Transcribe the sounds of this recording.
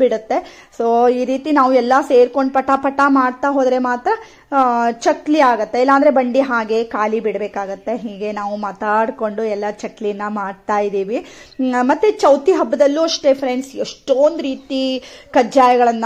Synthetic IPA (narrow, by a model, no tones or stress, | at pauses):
biɽut̪ːe̞ | soːiːɾiːt̪inaːʋuɛlːɐse̞ːɾko̞ɳɖpɐʈapɐʈːamaːɽt̪aɦoːd̪ɾe̞maːt̪ɾɐ | t͡ʃɐkliaːɡut̪ːe̞ilːaːnd̪ɾe̞bɐɳɖiɦaːɡe̞kaːlibiɽbeːkaːɡut̪ːe̞ɦiːɡe̞naːʋumaːt̪aːɽko̞ɳɖuɛlːɐt͡ʃɐklijɐnːɐmaːɽt̪aːjid̪iːʋimɐt̪ːet͡ʃɐwt̪iɦɐbːɐd̪ɐlːuɐʂʈe̞pʰɾeɳsḛʂʈoːnd̪uɾiːt̪ikɐd͡ʒaːjɐɡɐɭɐnː